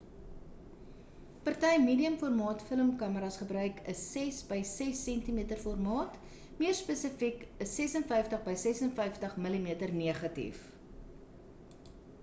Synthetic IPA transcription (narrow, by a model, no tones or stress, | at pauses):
pɐrtɐjmiːdiəmfɔrmɑːtfələmkɐməɾɐsχəbɾœɥkəsːɛsbəjsɛsːɛntimiətərfɔrmɑːt | miərspəsəfikəsɛsənfɐjftəχbəjsɛsənfəjftəχməlimiətərniəχɐtḭf